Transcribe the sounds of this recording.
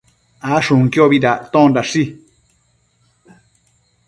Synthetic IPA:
aʂũŋkioβiðat̪õndaʂi

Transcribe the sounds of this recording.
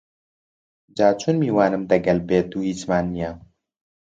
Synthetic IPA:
d͡ʒaːt͡ʃʰunmiːwaːnɨmd̪ɐɡɐlbeːt̪uːhiːt͡ʃmaːnːijɛ

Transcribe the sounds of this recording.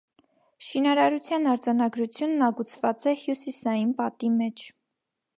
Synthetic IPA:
ʃinɑɾɑɾut͡sʰjɑnɑɾd͡zɑnɑɡɾut͡sʰjunːɑɡut͡sʰvɑt͡sɛhjusisɑjinpɑt̪imɛt͡ʃʰ

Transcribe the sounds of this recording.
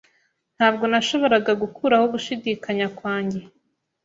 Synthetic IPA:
n̥haːbɡo̞naʃo̞βo̞ɾaɡaɡukʰuɾahoɡuʃidikaɲakwaːɲɟe̞

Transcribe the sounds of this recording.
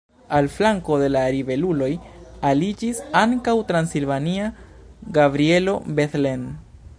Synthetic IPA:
alflaŋko̞de̞laɾive̞lulo̞jalid͡ʒisaŋkawtɾansilvania | ɡabɾie̞lo̞beθlen

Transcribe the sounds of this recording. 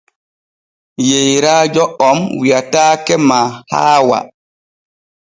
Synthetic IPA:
jejɾad͡ʒɔɔmwiataːkɛmaːhaːwa̰

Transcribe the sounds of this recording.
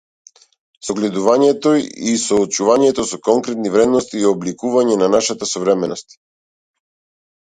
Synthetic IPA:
sɔɡlɛd̪uvaɲɛt̪oisɔːt͡ʃuvaɲɛt̪ɔsɔkɔŋkɾɛt̪nivɾɛd̪nɔst̪iːɔblikuvaɲɛnanaʃat̪asɔvɾɛmɛnɔst̪

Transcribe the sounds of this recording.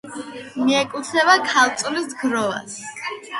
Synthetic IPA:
miɛkʼlˠt̪sʰɛbakʰalˠt̪sʼɔlisɡɾɔva̰s

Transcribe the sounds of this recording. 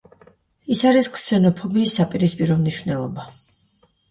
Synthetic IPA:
isaɾiskʰsɛnɔpʰɔbiːsːapʼiɾispʼiɾɔmniʃwvnɛlˠɔba

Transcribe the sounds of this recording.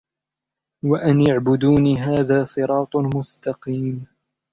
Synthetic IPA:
waʔanjaʕbʊd̪uːniːɦaːðaːsˤɨɾˤɑːt̪ˤmʊst̪ɑqiːm

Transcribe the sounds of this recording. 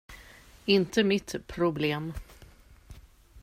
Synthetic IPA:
ɪnt̪əmɪt̪pʰɾʊbleːm

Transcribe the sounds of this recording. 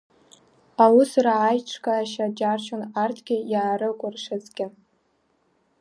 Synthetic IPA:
awʊsraːjʈ͡ʂʰkʰʼaːʃad͡ʒarʃonartʰɡʲɪjaːɾɨkʷʼʊrʂɨt͡sʼɡʲɪ

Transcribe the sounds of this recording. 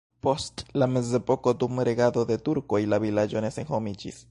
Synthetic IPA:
po̞stlame̞ze̞po̞kod̪umɾe̞ɡad̪o̞d̪e̞tuɾko̞jlavilad͡ʒo̞ne̞senhomid͡ʒḭs

